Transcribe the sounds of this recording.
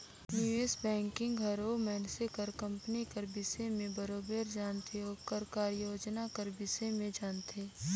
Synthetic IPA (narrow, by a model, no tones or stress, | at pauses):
jueːsbɛ̃ːŋkɪ̃ŋɡɦɐɾomɛːnsekəɾkɐ̃mpnikəɾbɪsemẽbəɾoːbeːɾd͡ʒaːnt̪ʰeoːkɐɾkaːɾjoːd͡ʒnakəɾbɪsemẽd͡ʒaːnt̪ʰeː